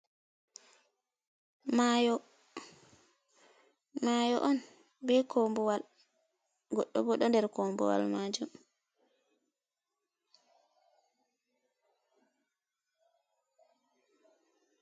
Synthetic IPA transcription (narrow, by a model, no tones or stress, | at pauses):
majɔ | majɔʔɔn | bɛkʰɔmbɔwal | ɡɔɗːɔ̰bɔɗɔndɛɾkɔmbɔ̰wa̰lmaːd͡ʒum